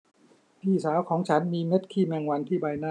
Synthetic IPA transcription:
pʰiː˥˩saː˩˦wkʰɔː˩˦ŋt͡ɕʰa˦˥nmiː˧me˦˥t̪̚kʰiː˥˩mɛː˧ŋwa˧nt̪ʰiː˥˩baː˧jnaː˥˩

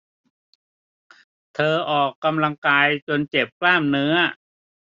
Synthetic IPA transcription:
t̪ʰɤː˧ʔɔː˨˩kːa˧mla˧ŋkaː˧jt͡ɕo˧nt͡ɕe˨˩p̚klaː˥˩mnɯ˦˥ɐ

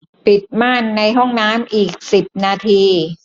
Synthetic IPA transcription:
pi˨˩t̪̚maː˥˩nːa˧jɦɔ˥˩ŋnaː˦˥mʔiː˨˩k̚si˨˩p̚naː˧t̪ʰiː˧

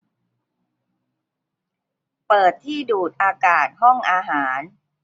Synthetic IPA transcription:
pɤː˨˩t̪ʰːiː˥˩duː˨˩t̪̚ʔaː˧kaː˨˩t̪̚hɔ˥˩ŋʔaː˧ɦaː˩˦n

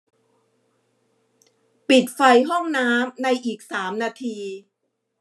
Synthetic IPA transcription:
pi˨˩t̪̚fa˧jɦɔ˥˩ŋnaː˦˥mna˧jʔiː˨˩k̚saː˩˦mnaː˧t̪ʰiː˧

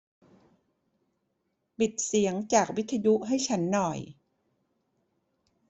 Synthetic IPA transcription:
pi˨˩t̪̚si˩˦əŋt͡ɕaː˨˩k̚wi˦˥t̪ʰːa˧ju˦˥ʔɦa˥˩jt͡ɕʰa˦˥nːɔ˨˩j

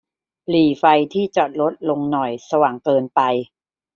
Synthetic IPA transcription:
liː˨˩fa˧jt̪ʰiː˥˩t͡ɕɔ˨˩t̪̚lo˦˥t̪̚lo˧ŋnɔ˨˩jsa˧waː˨˩ŋkɤː˧npa˧j

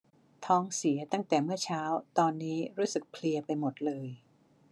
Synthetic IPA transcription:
t̪ʰɔː˦˥ŋsi˩˦ɐt̪a˥˩ŋt̪ɛː˨˩mɯ˥˩ɐt͡ɕʰaː˦˥wt̪ɔː˧nːiː˦˥ɾuː˦˥sɯ˨˩k̚pʰli˧ɐpa˧jmo˨˩t̪̚lɤː˧j

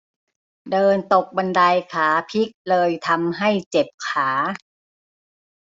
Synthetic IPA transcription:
dɤː˧nt̪o˨˩k̚ba˧nda˧jkʰaː˩˦pʰi˦˥k̚lɤː˧jt̪ʰa˧mɦa˥˩jt͡ɕe˨˩p̚kʰaː˩˦

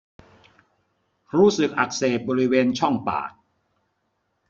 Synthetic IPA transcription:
ɾuː˦˥sɯ˨˩k̚ʔa˨˩k̚seː˨˩t̪̚bɔː˧ɾi˦˥weː˧nt͡ɕʰɔ˥˩ŋpa̰ː˨˩t̪̚

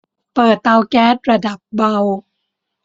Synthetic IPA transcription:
pɤː˨˩t̪ːa˧wkɛː˦˥t̪̚ɾa˧da˨˩p̚ba˧w

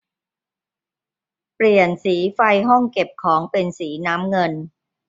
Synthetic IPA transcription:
pli˨˩ənsiː˩˦fa˧jɦɔ˥˩ŋke˨˩p̚kʰɔː˩˦ŋpe˧nsiː˩˦naː˦˥mŋɤ˧n

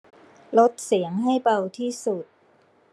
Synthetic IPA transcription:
lo˦˥t̪̚si˩˦əŋɦa˥˩jpa˧wt̪ʰiː˥˩su˨˩t̪̚

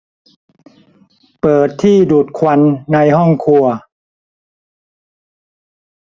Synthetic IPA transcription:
pɤː˨˩t̪ʰːiː˥˩duː˨˩t̪̚kʰwa˧˥nːa˧jɦɔ˥˩ŋkʰu˧ɐ

